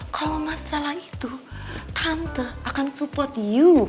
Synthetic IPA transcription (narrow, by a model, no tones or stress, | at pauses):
kalomasalahit̪ut̪ʰant̪əakansupɔrt̪ju